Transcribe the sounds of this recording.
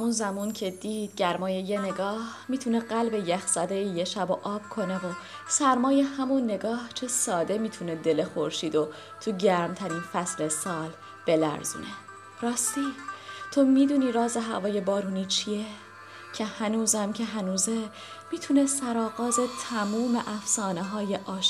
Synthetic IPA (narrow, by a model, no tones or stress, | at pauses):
æmunzæmuːncʰe̞d̪iːd̪̥̚ɟæɾmɒːje̞jene̞ɡɒːhmiːt̪ʰune̞ɢælbe̞jæxz̥æd̪ejejeʃæboʔɒːb̥̚kʰo̞ne̞vo̞ | sæɾmɒːje̞hæmunːe̞ɡɒːht͡ʃʰe̞sɒːd̪e̞miːt̪ʰune̞d̪e̞le̞xo̞ɾʃiːd̪o̞ | t̪ʰuɟæɾmt̪ʰæɾiːnfæsle̞sɒːl | b̥e̞læ̰ɾzṵːne̞ | ɾɒːst̪it̪ʰo̞miːd̪uːniːɾɒːze̞ɦæ̰vɒːje̞bɒːɾuːniːt͡ʃʰije | cʰe̞hænuːzæmcʰeɦænuːze | miːt̪ʰunesæɾɒːɣɒːze̞t̪ʰæmuːmeʔæfsɒːneɦɒːje̞ʔɒːʃ